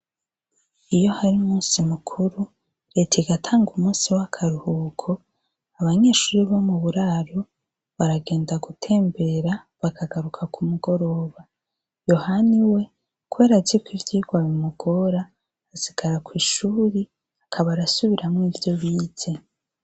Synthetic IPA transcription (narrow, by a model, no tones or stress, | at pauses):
ijo̞haɾiumuːnsimukʰuɾu | ɾe̞tʰeɡatʰaːŋɡumuːsiwakʰaɾuhuːkʰo̞ | aβaɲe̞ːʃuːɾiβo̞muβuɾaːɾo̞ | βaɾaɡe̞ːndaɡutʰe̞ːmbe̞ɾa | βakʰaɡaɾukʰakumuɡo̞ɾo̞ːβa | jo̞haniwe̞ | kuweːɾazikwivjiːɡwaβimuɡ̥o̞ɾaː | si̥ɡ̥aɾakwiːʃuːɾi | akʰaβaɾasuβiɾamŋiːvjo̞βiːz̥e̞